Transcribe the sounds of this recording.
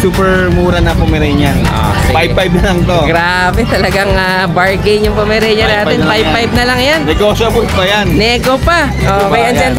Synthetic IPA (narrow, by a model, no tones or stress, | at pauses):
suːpɛɹmuːɾɐnɐpomɛɾɛɲɐo̰ | pajpajb̚nɐlɐŋt̪oɡɾaːbɛt̪ɐlɐɡaŋa | bɐɹkejɲjʊŋpomɛɾɛjɲɐnaːt̪ɛnpajpajb̚nɐlɐŋjannɛɡosobulpɐjannɛɡopɐ | ʔoʔɐjɐnd͡ʒɛn